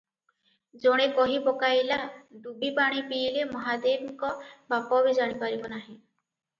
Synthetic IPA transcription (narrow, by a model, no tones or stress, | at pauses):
d͡ʒɔɽ̃ekɔɦibɔkajlaɖubipaɽ̃ipiːlemɔɦad̪emikɔbapɔbizaɽ̃ipaɾibɔnaɦĩ